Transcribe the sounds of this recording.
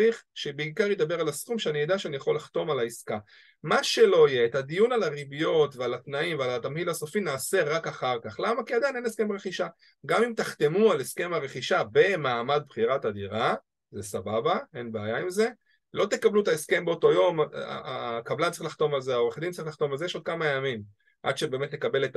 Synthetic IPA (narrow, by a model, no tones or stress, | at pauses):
iχʃebeikaʁjed̪abe̞ʁalasχumʃeanijed̪aʃeanijaχo̞lːaχt̪o̞malaiska | maʃe̞lo̞jeːt̪ad̪ijunalaʁibijo̞t̪vealat̪naimvealat̪amhilaso̞finaːse̞ʁakaχaʁkaχlamakiad̪ajne̞neske̞maʁeχiʃa | ɡamimt̪aχt̪e̞mualeske̞maʁe̞χiʃabe̞maːmad̪̚bχiʁat̪ad̪iʁa | zesababae̞nbaajaimze̞ | lo̞t̪e̞kabluet̪aeske̞mbeot̪o̞jo̞ma̰akablant͡saʁixlaχt̪o̞malzeaoʁeχd̪intt͡saʁiχlaχt̪o̞malzeeʃo̞d̪̚kamajamim | ʔa̰d̪ʃebe̞ːme̞tle̞kabe̞le̞t̪